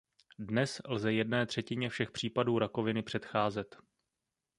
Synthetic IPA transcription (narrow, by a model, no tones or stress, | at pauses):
dnɛslzɛjɛdnɛːt̪r̝̥ɛcɪɲɛfʃɛxpr̝̥iːpaduːɾako̞vɪnɪpr̝̥ɛt̪xaːzɛt̪